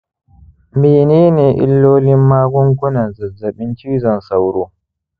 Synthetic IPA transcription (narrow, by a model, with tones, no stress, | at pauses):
meː˨neː˦neː˨ʔɪ̰˦lːoː˦lɪ˦mːaː˦ɡʊ˦ŋkʷʊ˦nɐ˨nza˨zɐ˨ɓɪ˦nt͡ʃi˦zɐ˨nsa˨wɾoː˦